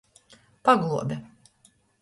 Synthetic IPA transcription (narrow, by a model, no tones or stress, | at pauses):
paɡlˠuɔd̪ʲɛ